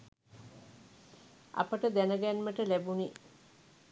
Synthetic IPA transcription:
a̰pəʈəd̪ænəɡænməʈəlæbuni

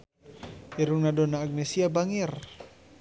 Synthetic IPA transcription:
iɾuŋnadɔnaːɡ̚nesiabaŋir

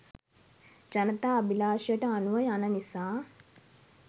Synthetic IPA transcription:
d͡ʒanət̪aːbilaːʃijəʈəanuʋəjanənisaː

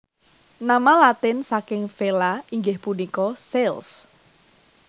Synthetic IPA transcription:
namalat̪ɪnsakɪŋfelaʔiŋɡɪhpunikɔsels

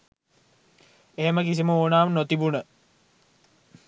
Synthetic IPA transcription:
eɦeməkis̬iməoːnaːmnot̪ibunə

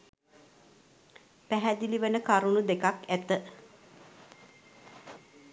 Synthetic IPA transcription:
pæɦæd̪iliʋənəkaɾunud̪ekakæt̪ə

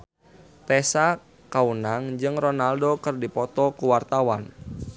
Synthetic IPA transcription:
t̪ɛsa | kaunaŋd͡ʒɨŋrɔnaldokɨrdipɔt̪ɔkuwart̪awan

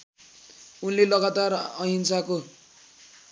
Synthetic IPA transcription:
unlelʌɡat̪arʌɦinsako

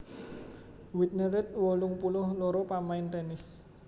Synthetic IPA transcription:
wit̪̚nəɾɪt̪̚wɔlʊŋpulʊhloɾopamaɪnt̪ɛnɪs

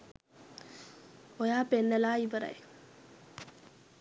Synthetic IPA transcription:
ojaːpenːelaːiʋəɾa̰j

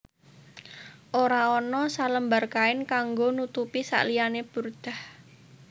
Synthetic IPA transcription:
ʔoɾaɔnɔsaləmbarkaɪnkaŋɡonut̪upisa̰ʔlijaneb̥urd̪̥a̤h

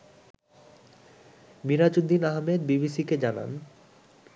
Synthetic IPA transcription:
miɾat͡ɕud̪ːinaɦmed̪̚bibisiked͡ʑana̰n

